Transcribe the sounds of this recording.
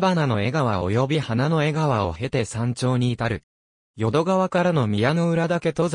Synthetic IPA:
banano̞e̞ɡaβ̞ao̞̰jo̞bʲihanano̞e̞ɡaβao̞̰he̞t̪e̞sãɲ̟t͡ɕo̞ːɲ̟iːt̪aɾɯ̟ | jo̞d̪o̞ɡaβakaɾano̞mʲijano̞ɯ̟ɾad̪ake̞t̪oz

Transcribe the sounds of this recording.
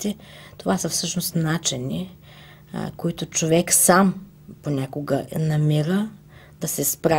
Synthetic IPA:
t̪ɛ | t̪ovasɐfsɤʃnost̪nat͡ʃɛnḭ | koit̪ot͡ʃovɛksam | ponʲakoɡənɐmiɾə | d̪̥ɐsɛspɾa

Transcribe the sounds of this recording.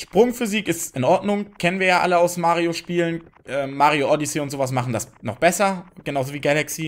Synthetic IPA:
ʃpʁ̥ʊŋfyziːkɪstɪnʔɔɐdnʊŋkʰɛnənviːɐjaːʔa̰ləaʊsmaːʁioʃpiːlənʔɛːmːaːʁioʔɔdiseːʊntz̥oːvas̬maχn̩dasnɔχb̥ɛsɐɡ̥ənaʊzoviːɡalaksiː

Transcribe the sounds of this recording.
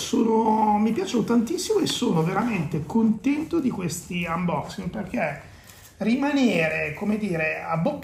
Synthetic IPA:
soːnomipjaːt͡ʃonot̪ant̪isːimoesːoːnoveɾament̪ekont̪ɛnt̪od̪ikwest̪iambɔksinperk̟e | rimaneːɾekomed̪iːɾeabːopː

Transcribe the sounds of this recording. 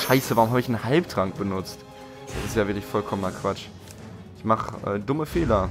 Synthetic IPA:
ʃaɪsəvaːʁʊmɦaːbəɪçn̩halptʁ̥aŋk̚b̥ənʊt͡st | d̥asɪstjaːvɪɐklɪçfɔlkʰɔmənɐkv̥at͡ʃ | ʔɪçmaχəʔɛ̰ːdʊməfeːlɐ

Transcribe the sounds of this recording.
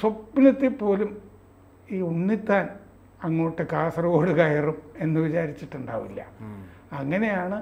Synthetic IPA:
sopːinɐt̪ːipːo̞ːlum | iːunːit̪ːaːn | ɐŋːo̞ːʈːɨkaːsɐrɐoːɽɨkɐjɐrume̞nːɨʋit͡ɕaːɾit͡ɕːiʈːuɳɖa̰ːʋilːɐ̰ | ɐŋːɐne̞jaːɳɨ

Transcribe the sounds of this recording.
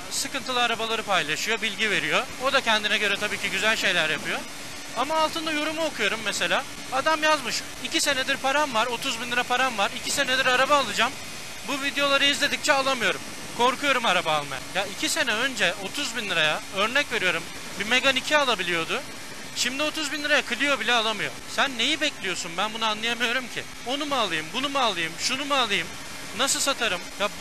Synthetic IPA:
sɯkɯnt̪ʰɯlˠɯaɾabalˠaɾɯpajlˠaʃɯjo̞bilʲɟive̞ɾijo̞od̪acʰɛnd̪inɛɟø̞ɾɛt̪ʰabiːcʰiɟyzælʲʃe̞jlʲæɾjapɯjo̞ | amaːlˠt̪ʰɯnd̪ajo̞ɾumuo̞kʰujo̞ɾumːɛse̞lʲaː | ad̪amjazmɯʃ | icise̞nɛd̪iɾpʰaɾamvaɾo̞t̪ʰuzbinlˠɯɾapʰaɾamvaɾicʰise̞nɛd̪iɾaɾabaːlˠɯd͡ʒam | buvid̪ejo̞lˠaɾɯizlʲe̞d̪ic̚t͡ʃʰɛalˠamɯjo̞ɾum | kʰo̞ɾkujo̞ɾumaɾabaːlˠma̰ja̰jaicʰise̞nɛønd͡ʒɛʔo̞t̪ʰuzbinlˠɯɾajaø̞ɾnɛcve̞ɾijo̞ɾum | bimekanicʰɛalˠabilʲijo̞d̪ʊ | ʃimd̪io̞t̪ʰuzbinˠɯɾajakʰɯlʲˠɯjo̞bilʲɛalˠamɯjo̞̰sænːe̞jibɛclʲijo̞sunbænbunuanlˠɯjamɯjo̞ɾumcʰɪ | o̞numalˠɯjɯmbunumalˠɯjɯmʃunumaːlˠɯjɯm | nasɯlˠsat̪ʰaɾɯmja

